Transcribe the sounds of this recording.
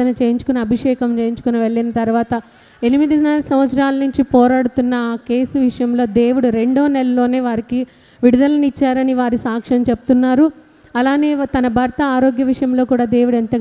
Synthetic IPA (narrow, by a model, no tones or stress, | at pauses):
ɐnɐt͡ʃeːjiɲt͡ʃu̥kunɐɐbʱiʂɛːkɐmt͡ʃeːjiɲt͡ʃu̥kunɐʋeɭːinɐt̪ɐɾʋaːt̪ɐ | enimid̪id͡ʒnaːlɐsɐmʋɐt̪sɾaːlɐnuɲt͡ʃipɔːɾaːɽut̪unːɐːke̞ːsuʋiʂɐjɐmlo̞ːd̪e̞ːʋuɽuɾe̞ɳɖoːnɛlɐlo̞ːne̞ːʋaːɾiki | ʋiɽud̪ɐlɐnit͡ʃːaːɾɐniʋaːɾisaːkʂɐmt͡ʃeput̪unːaːɾu | ɐlaːne̞ːt̪ɐnɐbʱɐɾt̪ɐaːɾo̞ːɡjɐʋiʂɐjɐmlo̞ːkuːɽaːd̪e̞ːwuɽent̪ɐ